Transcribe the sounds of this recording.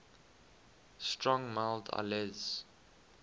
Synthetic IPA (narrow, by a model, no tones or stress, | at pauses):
stʰɹɔ̃ŋmaɪlda̰lɛz̥